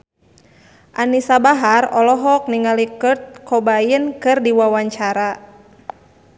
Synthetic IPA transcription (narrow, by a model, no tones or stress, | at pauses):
ʔanisabaɦarɔlɔɦɔk̚niŋalikərt̪̚kʰɔbajənkɨrdiwawaɲt͡ʃaɾa